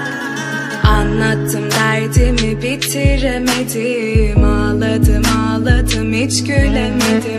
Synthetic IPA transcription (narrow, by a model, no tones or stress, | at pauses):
anlˠat̪ʰːɯmvæɾd̪imibit̪ʰiɾemed̪imaːlˠad̪ɯmaːlˠad̪ɯmit͡ʃcøjlʲemed̪i